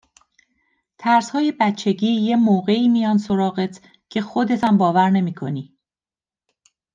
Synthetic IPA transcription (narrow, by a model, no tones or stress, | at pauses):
t̪ʰæɾshɒːje̞bæt̪t͡ʃʰːe̞ɟiːjemoːɣe̞iːmijɒːnso̞ɾɒːɣet̪ʰ | cʰe̞xod̪e̞t̪ʰæmbɒːvæɾne̞miːkʰo̞niː